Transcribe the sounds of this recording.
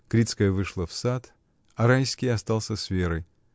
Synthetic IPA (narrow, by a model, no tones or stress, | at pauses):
kɾʲit̪skəjəvɨʂlˠəfsat̪ | ɐɾajskʲɪjɐst̪alˠsʲəsvʲeɾəj